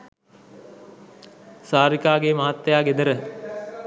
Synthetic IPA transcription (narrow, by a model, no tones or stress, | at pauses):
saːɾikaːɡemaɦat̪ːejaːɡed̪əɾə